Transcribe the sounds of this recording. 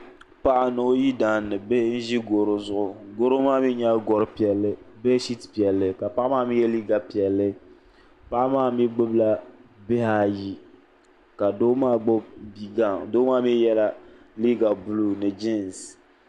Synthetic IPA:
pa˦ʔa˦˨no˨˦ji˦daː˨nːɨ˨be˦n̩˦ʒi˦ɡo˨ɾo˦zʊ˦ʔʊ˨ɡo˦ɾo˦maː˦mi˦ɲa˦ɡɔ˨ɾɨ˦pi˨ɛ˨lːɨ˦be˦ʃi˦tpi˨ɛ˨lːɨ˦ka˨pa˦ʔmaː˦˨mi˦jɛ˦li˦ɡa˨pi˨ɛ˨lːɨ˦ | pa˦ʔa˦maː˦˨mi˦ɡ͡bɨ˦bla˦be˦ha˦ji˦ | ka˨doː˦maː˦˨ɡ͡bo˦bbi˦ɡa˦doː˦maː˦mi˦jɛ˦la˦ | li˦ɡa˨bu˦lu˦nɨ˨d͡ʒi˦n˨s

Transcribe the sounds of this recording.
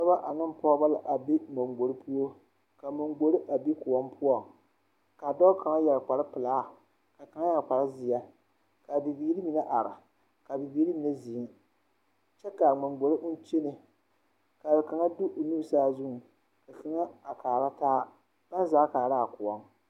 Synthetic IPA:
sɛ˦ba˦ʔa˨nɨ˦m˦pɔː˦ba˦la˦ʔa˨bi˦ŋ͡mo˨ŋɡ͡bo˨ɾi˦pʰu˦o˦ | ka˨mʊ˨ŋɡ͡bo˨ɾɪ˦ʔa˨bi˦kʊ˨wɔ˦mpʰʊ˦ɔ˨ŋ | ka˨dɔ˦kʰa˨ŋa˦jɛ˨lk͡pa˨ɾɪ˦pɨ˨laː˦˨ | ka˨ka˨ŋa˦jɛ˨lk͡pa˨ɾa˦zɪ˨ja˦ | ka˨bi˨biː˨˦ɾi˦mi˨na˦ʔa˨ɾa˨ | ka˨bi˨biː˦ɾi˦mi˨nɛ˦zi˨˦ | t͡ʃɛ˦ka˨ŋ͡ma˨ŋɡ͡bo˨ɾɨ˦ʔʊ˦t͡ʃe˦nɨ˨ | ka˨bɪ˨ka˨ŋa˦dʊ˦ʔnu˦˨saː˦zʊ˦ŋ˨ | ka˨ka˨ŋa˦a˨kaː˨ɾa˦taː˦ | b̥a˦n˦zaː˦kaː˨ɾa˦˨kʊ˨wɔ˦ŋ

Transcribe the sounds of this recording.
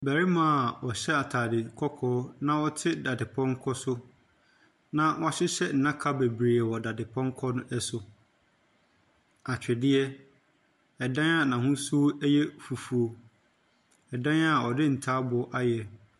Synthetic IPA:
bæ˨ɾi˦mã˨wɔ˨ɕɛ˦a˨tʰaː˨dɪ˨kʰɔ˦kʰɔː˦nã˦ɔ˦tʰɪ˦da˨dɪ˨pʰɔ̃˦ŋ˦kʰɔ˦sʊ˦ | nã˦wʔɔ˦˨ɕɪ˦ɕɛ˦n̩˨nã˦kʰa˦be˨bɾe˨ɛ˨wɔ˨da˨dɪ˨pʰɔ̃˦ŋ̩˦kʰɔ˦nʊ̃˦ɛ˦sʊ˨ | a˨t͡ɕᶣɪ˨dɪ˦ɛ˦ | ɛ˨dã˦a˦˨nã˨hʊ̃˦su˦æ˦jɛ˦fu˨fu˨o˨ | ɛ˨dã˦n˦a˦˨ɔ˨dɪ˦n̩˨tʰaː˦bʊ˨ɔ˦ʔa˦jɛ˨

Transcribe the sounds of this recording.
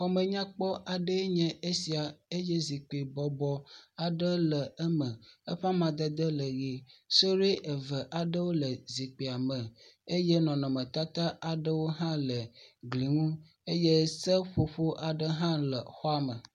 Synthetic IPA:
xɔ˦mə̃˨ɲã˦k͡pɔ˦ʔa˨ɖə˦ɲɛ̃˨e˦si˨a˨e˦je˦zi˨k͡pi˨bɔ˨bɔ˦a˨ɖə˦lə˨ɛ˦mə̃˨ə˦ɸa˦mã˨d̪ə˦d̪ə˦lə˨ɣi˨so˦ɾi˦ʔə˨və˨ʔa˨ɖə˦wo˦lə˨zi˨k͡pe˨a˨mə̃˨e˦je˦nɔ̃˨nɔ̃˨mə̃˨t̪a˦t̪a˦a˨ɖə˦wo˦ɦã˦lə˨ɡli˨ŋũ˦ | e˦je˦sə˦ɸo˨ɸo˦ʔa˨ɖə˦ɦã˦lə̰˨xɔ˦a˦mə˨

